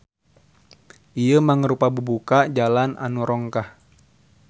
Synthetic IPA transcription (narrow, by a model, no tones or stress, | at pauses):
ʔijəmaŋəɾupabubukad͡ʒalanʔa̰nuɾɔŋkah